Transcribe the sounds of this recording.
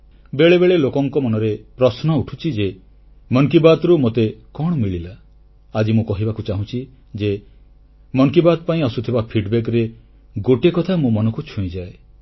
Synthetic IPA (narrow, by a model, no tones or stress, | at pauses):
beɭebeɭelokɔŋkɔmɔnɔɾepɾɔsnɔuʈʰut͡ʃʰid͡ʒe | mɔŋkibat̪ɾumot̪ekɔɽ̃ɔmiɭilaː | d͡ʒimũkɔɦibakut͡ʃaɦũt͡ʃʰi | d͡ʒe | mɔŋkibat̪̚paĩɔsut̪ʰibapʰiɖbek̬ɔɾe | ɡoʈekɔt̪ʰamũmɔnɔkut͡ʃʰũĩd͡ʒae